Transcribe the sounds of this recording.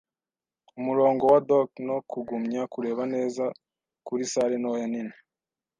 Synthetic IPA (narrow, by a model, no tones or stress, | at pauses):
umuɾo̞ːŋɡo̞wadokno̞kuɡumɲakuɾe̞ːβane̞ːza | kuɾisaːɾenowojanine